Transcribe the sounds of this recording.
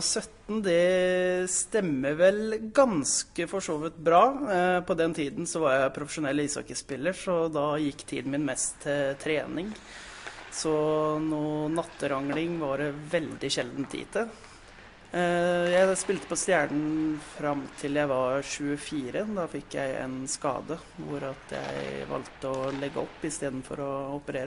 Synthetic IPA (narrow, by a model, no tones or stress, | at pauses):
sœt̪ːn̩d̪ɛ | st̪ɛmːəʋɛlɡɑnskəfɔʂoːʋɪt̪bɾɑːpʰɔd̪ɛnt̪ʰiːd̪n̩sɔʋɑɾjæɪpʰɾʊfəʂʊnɛlːʋɪsɔ̰kəspɪlːəʂɔd̪ɑjɪkːt̪ʰḭːd̪n̩mɪnmɛst̪ʰːɪlt̪ʰɾeːnɪŋ | sɔnuːnɑt̪ːəɾɑŋlɪŋʋɑɾʋɛld̪ɪɕɛld̪n̩t̪ʰḭːt̪ʰə | jæɪspɪlt̪əpɔst̪jæːɳɳ̩fɾɑmːt̪ʰɪljæɪʋɑɾɕʉːəfiːɾəd̪ɑfɪkːjæ̰ɪɛ̰nskɑ̰ːd̪ə | ʋʊ̰ɾɑt̪ʰjæ̰ɪɪʋɑ̰lt̪əɔlɛɡːə̰ɔpːɪst̪eːd̪n̩fɔ̰ɾɔɔpəɾeːɾə